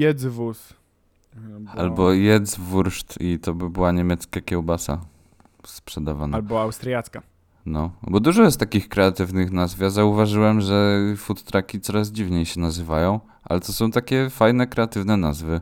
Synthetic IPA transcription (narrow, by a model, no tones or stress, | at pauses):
jɛd̪zvus | albɔjɛd̪zvuɾʂt̪it̪ɔbɘbɘwaɲemʲjɛt̪skakʲɛwbasa̰ | spʂɛd̪avanalbɔawst̪ɾjat̪ska | nɔbɔd̪uʐɔjɛst̪akʲixkɾɛat̪ɘvnɘxnazvjazauvaʐɘwɛmʐɛfut̪ːɾakʲit̪sɔɾaz̬d͡ʑivɲejɕɛnazɘvajɔ̃w̃ | ʔa̰lɛt̪ɔsɔ̃w̃t̪akʲɛfajnɛkɾɛat̪ɘvnɛnazvɘ